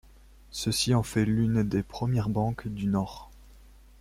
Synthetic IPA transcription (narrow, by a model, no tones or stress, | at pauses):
səsiɑ̃fɛlynd̪epχəmjɛʁbɑ̃kd̪ynɔːʁ